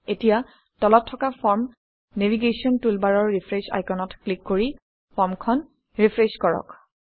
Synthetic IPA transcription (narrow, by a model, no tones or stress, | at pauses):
etija | tɔlɔtʰːɔkapɔɹm | neviɡesiɔntulbaɹɔɹːipʰɹesa̰jkɔnɔtklikːoɹi | pʰɔɹmkʰɔn | ɹipʰɹeskɔɹɔ̰k